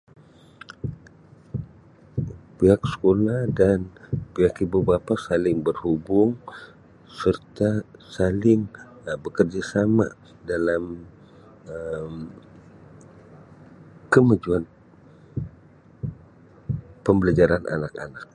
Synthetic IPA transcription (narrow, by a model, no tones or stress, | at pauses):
piɦaksə̥kolahdanpiɦakibubapasalɪŋbərhubʊŋ | sərt̪asalɪŋbəkərd͡ʒasama̰ | dalam | əm | kəmad͡ʒuan | pəmbəlad͡ʒaɾana̰naka̰nak̚